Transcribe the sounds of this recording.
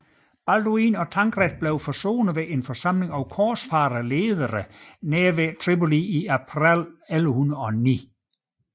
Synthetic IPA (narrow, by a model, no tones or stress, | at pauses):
b̥æld̥oiːnɒ̽t͡sʰɑ̈ŋɡ̥ʁɛd̥̚b̥leʊfɒso̝̰ːnəʋeʔe̝nfɒsɑ̈m̰le̝ŋɒʊkʰɒ̥ːsfɑ̈ːɾɐleːðˠɐʁəneːʋet͡sʰʁiboliiæpʰʁileləhunɐɒ̽nḭː